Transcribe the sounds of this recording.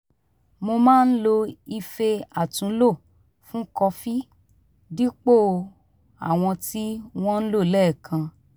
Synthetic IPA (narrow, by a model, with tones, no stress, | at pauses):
mo˧mãː˦˧n̩˦lo˧i˧fe˧a˨tũ˨˦lo˦˨ | fũ˦kɔ˧fi˦ | di˦k͡po˦˨˧ | a˦˨w̃ɔ̃˧ti˦w̃ɔ̃˦n̩˦lo˦˨lɛ˦˨kʰã˧